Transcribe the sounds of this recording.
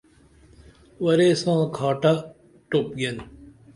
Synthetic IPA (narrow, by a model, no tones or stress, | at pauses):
wɐɾesãːkʰaːʈa | ʈop̚ɡen